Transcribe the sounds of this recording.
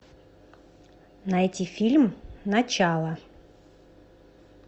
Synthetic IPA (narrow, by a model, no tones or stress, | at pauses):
nɐɛtʲifʲilʲmnɐt͡ɕalˠə